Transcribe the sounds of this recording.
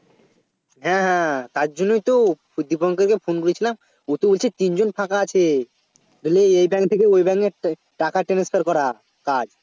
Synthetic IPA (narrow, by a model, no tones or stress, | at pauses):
ɦɛ̃ɦɛ̃t̪aɾd͡ʑonːojt̪o | d̪ipɔŋkeɾkefʰonkolet͡ɕʰilam | ut̪obolt͡ɕʰet̪ind͡ʑonpʰakaat͡ɕʰe | ɡeleejbɛŋkt̪ʰekeojbɛŋe | ʈakaʈenespʰeɾkɔɾa | kad͡ʑ